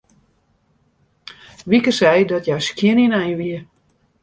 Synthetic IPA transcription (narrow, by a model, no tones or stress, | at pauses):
ʋikəsɛjdɔtjajskjɪəninɛjʋiə